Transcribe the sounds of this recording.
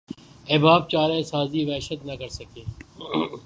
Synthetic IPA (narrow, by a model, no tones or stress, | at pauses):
eːbaːb̚t͡ʃaːɾẽsaːziːʋɛːʃət̪nəkəɾsəkʰeː